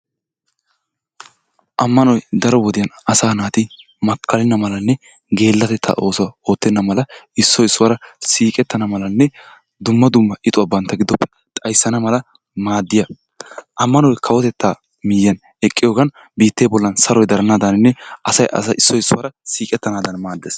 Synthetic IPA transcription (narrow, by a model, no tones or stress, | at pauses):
ʔɐmːɐnɔjd̪ɐɾɔwɔd̪ɪjɐnɐsaːnaːt̪ɪ | mɐkːɐlɪnːɐmɐlɐnːɛ | ɡe̞ːlːɐt̪ɛt̪ʰːa̰ʔo̞ːsoːt̪ːɛnːɐmɐlɐɪsːɔɪsːʊwɐɾɐsiːkʼɛt̪ːɐnɐmɐlɐnːɛ | d̪ʊmːɐd̪ʊmːɐʔɪt̪ʼʊwɐbɐnt̪ːɐɡɪd̪ɔpːɛ̥ | t̪ʼɐjsːɐnɐmɐlɐ | maːd̪ːɪjɐ | ʔɐmːɐnɔjkʰɐwɔt̪ɛt̪ːaː | mɪjːɐn | ɛkʼːɪjoːɡɐn | biːt̪ːeːbɔlːɐnsɐɾɔjd̪ɐɾɐnaːd̪ɐnɪnːɛʔɐsɐjʔɐ̰sɐɪsːɔɪsːʊwɐɾɐsiːkʼɛt̪ːɐnaːd̪ɐnmaːd̪ːeːs